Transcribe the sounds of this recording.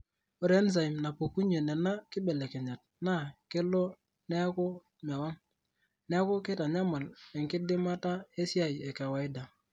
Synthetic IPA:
o˨˦ɾe˨˦ns̬a˨ɪ˨mna˨pu˨ku˦ɲe˨nɛ˨na˦kɪ˦bɛ˨le˨kɛ˨ɲa˨t̚na˦˨kɪ˦lɔ˦ | nɛ˦a˦kʊ˦ | ma˨wa˦ŋ | nɛ˦a˦kʊ˦kɪ˦ta˨ɲa˦ma˨lɛ˨ŋkɪ˦dɪ˦ma˦ta˦e˦sja˨je˨ka˨wa˨ɪ˦da˨

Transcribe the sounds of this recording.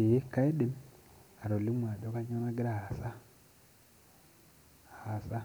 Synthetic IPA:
i˨je˦ka˦i˦di˨m | a˨ɾo˨li˦mwaː˨do˦ka˦ɲo˦na˦ɡi˦ɾa˨ha˨sa˦˨ | ha˨sa˦

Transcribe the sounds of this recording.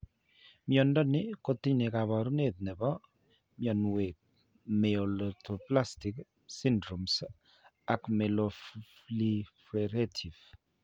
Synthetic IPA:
mjɔndɔ˦nɪkot̪i˦ɲne˨ka˨βɔ˨ɾu˦ne˨t̪̚nɛ˨bɔ˦ | mjɔ˨nwep̚ | mɛolɔtʰopla˦stik | si˦ndɾo˨ms | a˨kmɛ˨loflifɾeɾetʰi˨v

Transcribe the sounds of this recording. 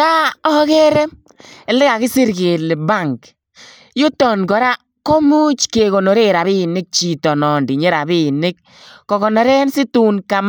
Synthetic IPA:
ta˦ɔ˦kɛ˦ɾɛ˦ | ɛ˨lɛ˦ɣa˨kɪ˦sɪ˦ɾke˨lɪ˨ba˦˨ŋk | jʊ˦tɔ˨nɡɔ˨ɾa˦ | ko˦mu˦t͡ʃke˨ɣo˨no˨ɾe˦ɾa˨bi˦nɪ˦k̚t͡ʃi˨tɔ˨nɔ˨ndi˨ɲe˦ɾa˨bi˦nɪ˦k̚ː | ɔ˨ɣɔ˨nɔ˨ɾɛ˦nsɪ˦tu˦nka˨m˦

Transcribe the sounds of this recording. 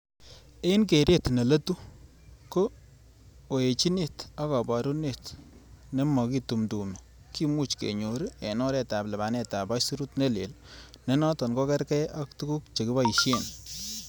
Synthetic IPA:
e˦i˦nk̬e˨ɾe˦˨tne˨lɐ˦tu˦ | ko˦ | o˨e˨t͡ʃi˦ne˦˨ta˦ka˨ba˨ɾu˦ne˦˨tne˦mɔ˨ki˦tu˨mtu˨mi˨ | ki˦mu˦t͡ʃkḛ˨ɲo˨ɾi˦e˨nɔ˦ɾɛ˨ta˨plɛ˨ba˨nɛ˨ta˨ba˦su˦ɾu˦tne˦˨lḛ˨l | ne˦nɔ˦tɔ˨nkɔ˦kɛ˦ɾkɛ˦ʔa˦k̚tu˦ku˦kt͡ʃe˨kɪ˦ba˦i˨ʃje˦˨n

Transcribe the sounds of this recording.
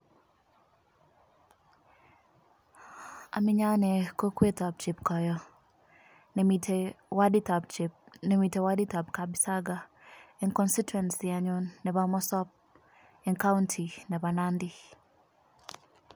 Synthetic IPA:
a̰˨mɪ˦ɲa˦nɛ˨ko˦kwe˦tɔ˨p̚t͡ʃi˨pkɔ˨jɔ˨ | nɛtwa˦di˦ta˨pt͡ʃpnɛ˨mi˨te˨wa˦di˦ta˨pka˨bi˨sa˦ɡa˨ | ɛ˨nkɔ˦nsi˦twɛ˨nsi˨a˨ɲʊ˦nːɛ˨ba˨mɔ˦sɔ˦p̚ | ɛ˨nka˦wʊntʰi˨nɛ˨ba˨na˦ndi˦

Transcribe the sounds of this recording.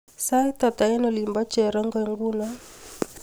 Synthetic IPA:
sa˦i˦t̪a˨t̪a˨ɛ˦nɔ˨li˨mba˦t͡ʃɛ˨ɾa˦ŋɡɛ˨ŋɡu˦na˦

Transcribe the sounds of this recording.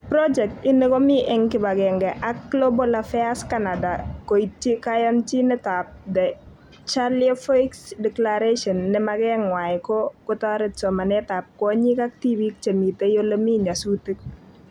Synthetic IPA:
pɾɔd͡ʒɛ˨k̚tɪ˦nɪ˦kɔ˦mɪ˦ʔɛ˨ŋkɪ˦ba˨kɛ˨ŋɡɛ˨ʔa˦k̚ːlo˦bɔlafɛaskana˨da˨ko˨itːje˦kajɔnt͡ʃi˦nɛtap̚d̪ɛ˨ | t͡ʃaliɔ˦fɔ˦iksdɛklaɾeʃɔ˨nːɛmakɛ˦ŋwa˨ɪ˨kɔkʊtɔ˦ɾɪ˨t̚sɔ˨ma˨nɛ˦ta˨p̚kɔ˦ɲi˦ka˦k̚ti˦bikt͡ʃe˨mi˨te˦jo˦lə˦mi˦ɲa˨su˦ti˦k̚

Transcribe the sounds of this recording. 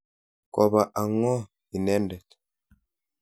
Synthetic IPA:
ko˨βa˨ʔa˨ŋɔ˦ | i˨ne˦ndɛ˨t

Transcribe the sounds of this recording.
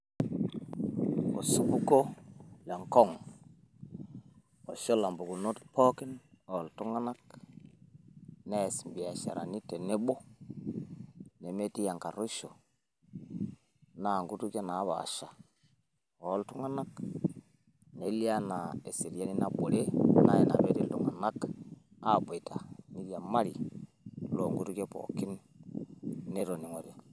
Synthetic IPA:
o̰˨su˦bu˦ɡo˦le˨ŋkɔ˦˨ŋ | o˨ʃo˦la˨mbu˨ɡu˨no˦tpʰo˦ki˦no˨ltu˦ŋa˦na˦k | ne˦˨si˨mbi˨a˨ʃa̰˨ɾa̰˨ni˦te˨ne˦ɓo˦ | ne˨me˦ti˦ja˨ŋka˨ɾu˦ʃo˨ | na˨ŋɡu˦tu˦ke˦na˨˦βa̰˨ʃa˨ | o˨˦ltu˦ŋa˦na˦k | ne˨li˦a˦na˨e˨si˨ɾja˦ni˦na˨bo˨ɾe˦na˦je˨na̰˨be˦ti˦ltu˨ŋa˨na˦k | a˦bo˨i˨tʰa˨ni˦ɾi˦a˨ma˦ɾi˨ | lo˨ŋɡu˦tu˦ke˦po̰˨ki˦n | e˦ɾo˨ni˨ŋo˨ɾo˨

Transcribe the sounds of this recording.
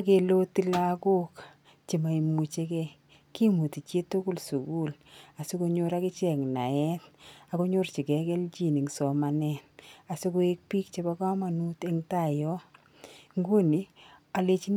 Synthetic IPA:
a˦ke˨lo˦ti˦la˦ko˦k | t͡ʃi˨ma˨i˨mu˨t͡ʃe˦kɛ˦ | ki˦mu˨ti˨t͡ʃe˦to˦ku˦˨lsu˨ku˦˨l | a˨su˦ko˦ɲo˦ɾa˦kɪ˦t͡ʃɛ˨kna̰˨ɛ˦t̚a˨ko˦ɲo˦ɾt͡ʃi˨kɛ˨kɛ˦lt͡ʃi˨ni˨ŋsɔ˨ma˨nɛ˨na˨sʊ˦kʊ˦e˦k̚pi˦k̚t͡ʃe˦ba˦ka˦ma˨nu˦te˦ŋta˦˨jɔ˦ | ŋɡu˦ni˨a˨le˨t͡ʃi˦

